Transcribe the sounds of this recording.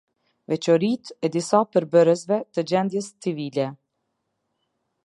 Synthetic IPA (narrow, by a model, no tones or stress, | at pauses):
vɛt͡ɕɔɾit̪ɛd̪isapəɾbəɾəs̬vɛt̪əd͡ʑɛnd̪jɛst͡sivilɛ